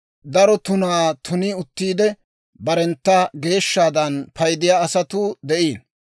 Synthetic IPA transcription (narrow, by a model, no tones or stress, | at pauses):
d̪ɐɾɔt̪ʊnaːt̪ʰʊnɪʊt̪ːiːd̪ɛ | bɐɾɛnt̪ːɐɡe̞ːʃːaːd̪ɐnpɐjd̪ɪjaːsɐt̪ʊd̪ɛʔiːn